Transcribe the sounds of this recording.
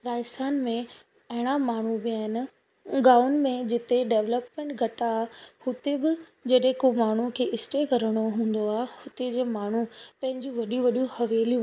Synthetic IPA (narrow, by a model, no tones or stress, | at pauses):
ɾaːɪsaːnmẽ | ɐɦɪɽ̃amaːɳ̤ubiaːɦɪnɪ̆ | ɡaːʊn̆mẽd͡ʑɪt̪eɖeːʋləpmẽɳʈɡʱɐʈahʊt̪ebɪd͡ʑɐɗɦẽkomaːɳ̤ukʰeːʔɪsʈekɐɾəɽ̃oɦũːn̆d̪oaːhʊt̪ed͡ʑeːmaːɳ̤upɐ̃ɦɪ̃ɲd͡ʑũʋɐɗijũʋɐɗijũhɐʋeːlijũ